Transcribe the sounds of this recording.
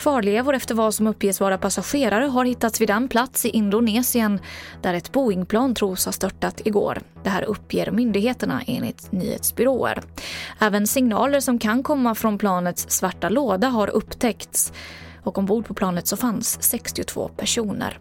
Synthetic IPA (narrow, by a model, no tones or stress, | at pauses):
fɑːɭeːvʊɾɛft̪əɾvasɔmɵpːjeːsvɑːɾapʰasaɧeːɾaɾəɦaɾhɪt̪ːat̪svɪd̪ɛnpʰlat̪sɪʔɪnd̪ʊneːsɪənd̪̥æɾɛt̪buːɪŋpʰlɑːnt̪ʰɾuːshaʂt̪œʈːat̪ɪɡo̰ːɾd̪̥ɛɦæ̰ːɾɵpʰːjḛːɾmʏnd̪ɪɡheːt̪əɳa̰ʔḛːnlɪ̰t̪ny̰ːhḛːt̪sbʏɾoːə̰ɾɛːvənsɪŋnɑ̰ːləɾʂɔmkʰankʰɔmːafɾɔnpʰlɑːnət̪sːvaʈːaloːd̪aɦaɾʔɵpːt̪ʰɛkt̪s | ɔkɔmbuːɖpʰɔpʰlɑːnət̪sɔfansːɛkst̪ɪʊt̪ʰv̥o̰ːpʰæʂuːnə̰ɾ